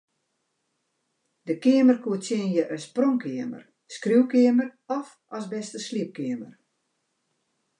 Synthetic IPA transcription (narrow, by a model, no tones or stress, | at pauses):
dəkɪəmərkuətjɪnjəʔəsproŋkʰɪəmə̰r | skriwkɪəmərɔf | ʔɔsbɛstəsliəp̚kɪəmər